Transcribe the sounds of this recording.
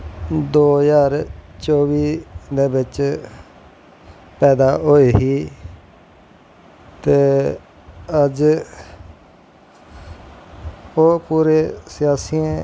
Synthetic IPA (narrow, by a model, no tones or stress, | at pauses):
d̪oːjaːɾt͡ʃoːʋiːd̪eːbɪt͡ʃ | pɛːd̪aːɦoeːɦiː | t̪eː | əd͡ʒ | oːpuːɾeːsɪjaːsiẽ